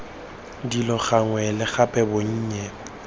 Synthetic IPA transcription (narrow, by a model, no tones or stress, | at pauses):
dilɔɣaŋwɛlɪɣapʼɛboɲ̩ːɲɛ